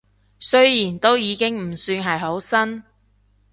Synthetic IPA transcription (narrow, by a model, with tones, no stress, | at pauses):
sɵ˥ɥjiː˨˩nt̪o˥wjiː˨˧kɪ˥ŋm̩˨˩syː˧nɦɐ˨jɦo˨˥wsɐ˥n